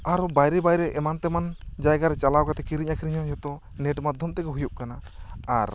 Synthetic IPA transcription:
aɾubajɾɛbajɾɛʔɛmant̪ɛmand͡ʒajɡaɾɛt͡ʃalawkat̪ɛkiɾiɲakiɾiɲɔ̃d͡ʒɔt̪ɔ | neʈmad̪ʱjɔmt̪ɛkɛɦujup̚kana | aɾ

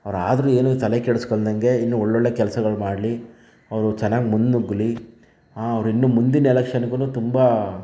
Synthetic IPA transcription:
ɐʋɐɾa̰ːd̪ɐɾuːe̞ːnut̪ɐlekɛɽuskold̪ɐŋɡe̞inːuɔɭːɔɭːeːkɛlɐsɐɡɐɭumaːɽli | ɐʋɐɾut͡ʃɛnːaːɡemund̪nuɡːli | ɐʋɐɾinːumund̪inɐɛlɐkʂɐnɐɡunut̪umba

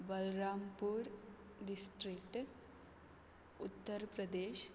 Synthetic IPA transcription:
bɐlɾaːmpuːɾ | ɖisʈɾikʈ | ut̪ːəɾpɾɐd̪eːʃ

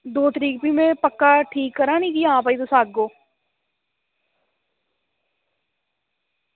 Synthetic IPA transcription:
d̪oːt̪əɾiːk̚piːmẽːpəkːaːʈʰiːkːəɾãːnĩːkijãːp̬aiːd̪osaːɡ̚ɡoː

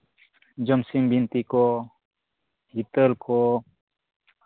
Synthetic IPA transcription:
d͡ʒəmsimbint̪ikɔ | hit̪əɾkɔ

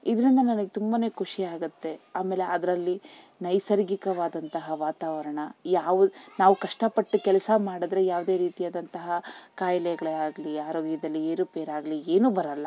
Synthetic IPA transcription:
id̪ɐɾind̪ɐnɐnɐɡet̪umbɐne̞ːkʰuʂiaːɡut̪ːe̞aːmeːle̞ɐd̪ɐɾɐlːi | nɐjsɐɾɡikɐʋaːd̪ɐnt̪ɐɦɐʋaːt̪aːʋɐɾɐɳɐjaːʋunaːʋukɐʂʈɐpɐʈːukɛlɐsɐmaːɽɐd̪ɾe̞jaːʋd̪e̞ɾiːt̪ijaːd̪ɐnt̪ɐɦɐkaːjlɛjɐɡɐɭeaːɡɐliaːɾoːɡjɐd̪ɐlːieːɾupeːɾaːɡlieːnuːbɐɾɐlːɐ

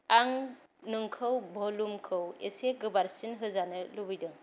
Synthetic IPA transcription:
aŋ | nɯŋkʰɯwbʱɔlumkʰɯwḛseɡɯbaɾsinɦɯzanɯlubɯjdɯŋ

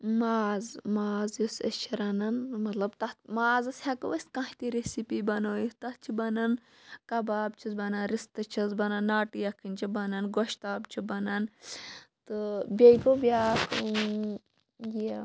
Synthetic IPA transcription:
maːzmaːzjusḛst͡ʃʰiɾɐnɐnmɐt̪lɐbt̪ɐmaːzɐshɐkɨʋɐskãɦit̪iɾesipiːbɐnoːjit̪ɐtt͡ʃʰibɐnɐn | kɐbaːbt͡ʃʰizbɐnɐnɾist̪ɐt͡ʃʰɐzbɐnɐnːaːʈijɐkʰinʲt͡ʃibɐnɐnɡoʃt̪aːbt͡ʃʰibɐnɐn | t̪ɨbʲɐjkobʲaːkʰ | ji

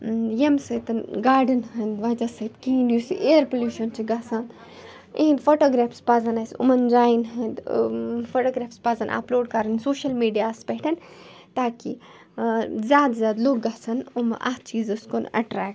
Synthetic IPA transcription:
jemsɐt̪ɐnɡaːɾɖɐnɦɐnd̪ʋaːd͡ʒasɐt̪kĩːnjusḭʔeːɾpoljuːʃɐnt͡ʃiɡaːsan | ẽnfoːʈoːɡɾaːfspaːzɐnɐsṵmɐnd͡ʒaːinɦɐd̪foʈoːɡɾaːfspaːzɐnʔa̰ploːɖkɐɾɐnsoːʃɐlmiːɖijaːspeɦʈʰɐn | t̪aːki | zʲjaːd̪zjaːd̪loːɡɡasɐnumʔa̰t͡ʃiːzɐskonɐ̰ʈɾɛːk̚

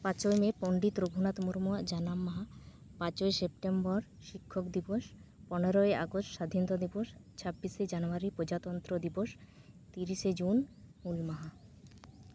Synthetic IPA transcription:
pãt͡ɕoemepoɳɖit̪ɾoɡʱunat̪muɾmoad͡ʑanamːaɦa | pãt͡ɕoesep̚ʈembɔɾ | ʃikʰːokd̪iboʃpɔneɾoea̰ɡosʈʃad̪ʱinot̪od̪iboʃt͡ɕʰabːiʃed͡ʑanoaɾipɾod͡ʑat̪ɔnt̪ɾod̪iboʃ | t̪iɾiʃed͡ʑunmulmaɦa

